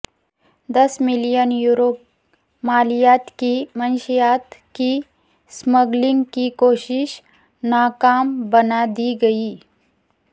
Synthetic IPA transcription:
d̪ɐsmɪlijənjuːɾoːp̚ | maːlijaːt̪kimənʃijaːt̪ki | sməɡlɪ̃ŋɡkikoːʃɪʃ | naːkaːmbɐnad̪iɡɐiː

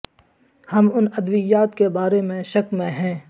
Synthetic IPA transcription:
hɐmʊnɐd̪ʋɪjaːt̪kebaːɾemẽʃɐkmẽɦɛ̃ː

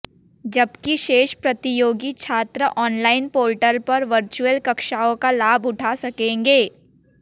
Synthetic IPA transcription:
d͡ʒɐbkiʃeːʃpɾɐt̪ɪjoːɡit͡ʃʰaːt̪ɾəʔɔːnlaːɪnpoːlʈəɾpɐɾʋəɾt͡ʃuəlkɐkʃaːõkalaːbʊʈʰasɐkẽːŋɡeː

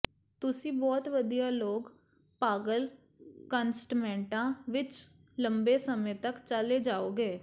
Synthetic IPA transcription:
t̪ʊsĩːbɔːt̪ʋəd̪ijaːloːɡ | paːɡəl | kənsʈmɛ̃ːɳʈãːʋɪt͡ʃ | ləmbeːsəmẽːt̪əkt͡ʃəleːd͡ʒaːoːɡeː

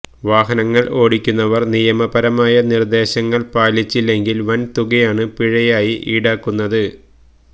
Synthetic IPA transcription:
ʋaːɦɐnɐŋːɐɭo̞ːɽikʲːunːɐʋɐrnijɐmɐbɐɾɐmaːjɐnird̪e̞ːɕɐŋːɐɭpaːlit͡ɕːilːe̞ŋɡilʋɐnt̪uɣɐjaːɳɨpiɻɐjaːjiʔiːɽaːkːunːɐðɨ

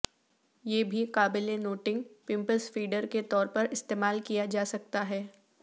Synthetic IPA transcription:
jeːbʱikaːbɪlenoːʈɪ̃ŋɡpɪ̃mpəsfiːɖəɾket̪ɔːɾpɐɾɪst̪eːmaːlkijad͡ʒaːsɐk̚t̪aɦɛː

